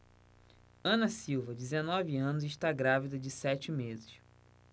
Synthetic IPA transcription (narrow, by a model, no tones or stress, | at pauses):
ɐ̃nɐsiwvɐd͡ʒɪzenɔviɐ̃nʊzɪʃt̪aɡɾavid̪ɐd͡ʒɪsɛt͡ʃɪmezɪʃ